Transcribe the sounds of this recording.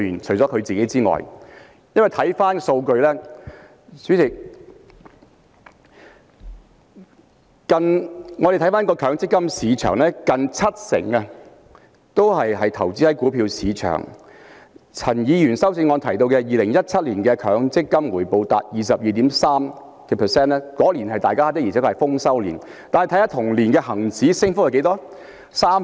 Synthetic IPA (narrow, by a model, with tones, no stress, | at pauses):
yː˨˩nt͡ʃʰɵ˨˩t͡sɔ˨˥kʰɵ˨˧ɥt͡siː˨ke˨˥jt͡siː˥ŋɔ̰ː˨j | jɐ˥nwɐ˨˩jt̪ʰɐ˨˥jfaː˥nso˧wkɵ˧ɥlɛː˥ | syː˨˥sɪ˨˩ | kɐ˧nŋɔː˨˧d̪e˨t̪ʰɐ˥jfaː˥nkɔː˧kʰœː˨˧˥ŋt͡sɪ˥kːɐ˥msiː˨˧t͡ʃʰœ̰ː˨˩ŋlɛː˥kɐ˨˧nt͡sʰɐ˥t̚sɪ̰˨˩ŋɐ˧ | t̪o˥whɐ˨jɦɐ˨jt̪ʰɐ˨˩wt͡siː˥tɐ˨˥jkuː˨˥pʰiː˧wsiː˨˧t͡ʃʰœ̰ː˨˩ŋ | t͡sʰɐ˨˩njiː˨˧jyː˨˩nsɐ˥wt͡sɪ˧ŋɔː˧nt̪ʰɐ˨˩jt̪̬o˧wkɛː˧jiː˨˩lɪ˨˩ŋjɐ˥t̚t͡sʰɐ˥t̚liː˨˩nkɛː˧kʰœː˨˥ŋt͡sɪ˥kːɐ˥mwuː˨˩jpo˨wt̪a̰ː˨t̚jiː˨s̬ɐ˨p̚jiː˨t̪iː˨˥msaː˥m | kɛ˧pʰɛː˨˩sɛː˥nlɛː˥kɔː˨˥liː˨˩nhɐ˨jt̪aː˨jkaː˥aː˥t̪ɪ˥ji˨˩ɛː˨˥kɔ˧ɐ˨jfʊ˥ŋsɐ˥wlḭː˨˩n | t̪aː˨nhɛ˨jt̪ʰhaː˧˥t̪ʰʊ˨˩ŋliː˨˩nkɛː˧hɐ˨˩ŋt͡siː˨˥sɪ˥ŋfʊ˥jɐ˧ke˨˧˥t̪ɔː˥ | saː˥m